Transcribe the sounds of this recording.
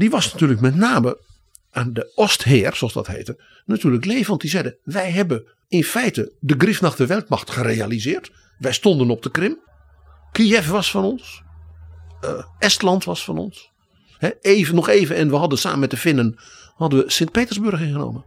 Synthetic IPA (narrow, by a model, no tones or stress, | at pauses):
diʋɑsnatyːləkmɛtnaːmə | aːndəɔstɦɪːrsolˠsdɔ̰thḛːtə | natʰyːrləkleːvəɔntdizɛjdəʋɛjɦɛbə | ɪnfɛjtədəɡrɪfnaxdəʋɛlˠt̚mɑxtxərejalizɪːrt | ʋɛjstɔndənɔp̚dəkrɪm | kiɛfʋɑsfɔnɔns | ʔɛstlɑntʋɑsfɑnɔ̰ns | hɛeːvənɔxeːvənɛnʋəɦɑdənsa̰ːmənmɛtdəfɪnən | hɑdənʋəsɪŋt̚peːtərzbørxɪnχəno̰ːmən